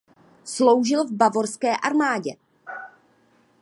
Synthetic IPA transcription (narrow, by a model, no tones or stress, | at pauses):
slo̞wʒɪlvbavo̞ɾskɛːʔaɾmaːɟɛ